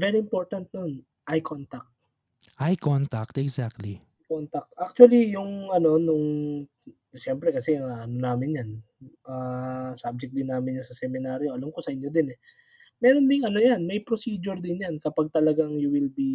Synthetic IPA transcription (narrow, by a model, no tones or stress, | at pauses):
vɛɾiɪmpo̞ɹt̪ɐnt̪̚non | ʔɐjkʰont̪ak̚t̪̚ | ʔajkont̪ak̚t̪ɛɡzak̚t̪li | kont̪ɐk̚t̪ʔak̚t͡ʃuɐlijʊŋʔɐno̞nʊŋ | ʃɛmpɾɛkɐsɛɐŋaʔɐnonaːmɪnjan | ʔaːsab̚d͡ʒɛk̚d̪ɪnːaːmɪnjasɐsɛmɪnaːɾjo̞ʔɐlamko̞sɐʔɪnjo̞d̪ɪnɛ | mɛːɾo̞nd̪ɪŋɐnojanmɐjpɾosiːd͡ʒʊɾd̪ɪnjankɐpaɡ̚t̪ɐlɐɡaŋjuwɪlbi